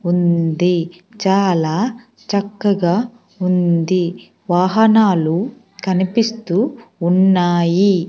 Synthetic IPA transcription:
und̪i | t͡ʃaːlaː | t͡ʃɐkːɐɡaː | und̪i | ʋaːɦɐnaːlu | kɐnipist̪uːunːaːji

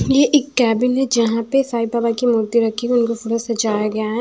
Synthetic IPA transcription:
jeʔɪːkːɛːbɪnɦɛd͡ʒɐɦãpesaːɪbaːbakimʊːɾd̪iɾɐkʰːikʊnkofʊɽasɐt͡ʃaːjaɡɐjaɦɛ

